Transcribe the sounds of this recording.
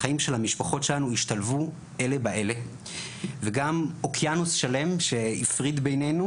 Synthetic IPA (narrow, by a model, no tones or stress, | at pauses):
aimʃe̞lhamiʃpaχo̞tʃelanuiʃt̪alvu | ʔe̞le̞baʔe̞le̞ | veɡamo̞kʰjanusʃale̞mʃe̞ifʁid̪bejnenu